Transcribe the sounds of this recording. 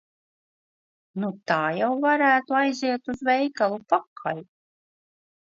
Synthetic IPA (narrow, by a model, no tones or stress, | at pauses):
nut̪aːjawvaɾæːt̪uajziɛt̪uzvɛjkalˠupakʰal